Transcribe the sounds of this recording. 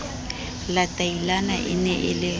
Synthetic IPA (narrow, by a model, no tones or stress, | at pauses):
latʼailana̰ʔɪ̰nɛʔɪlɪ